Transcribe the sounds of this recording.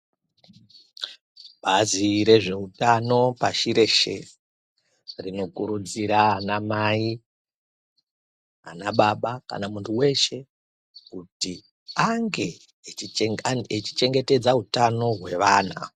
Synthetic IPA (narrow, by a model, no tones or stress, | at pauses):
ɓaziɾe̞ʐe̞utano̞paʃiɾe̞ʃe̞̰ | rino̞kuɾud͡ziɾanamai | a̰naɓaɓaka̰namuntʰuwe̞ʃe̞ | kuti | aŋɡe̞ | et͡ʃi̥t͡ʃe̞ŋɡe̞te̞d͡zaɦutano̞ɦwe̞ʋaːna̰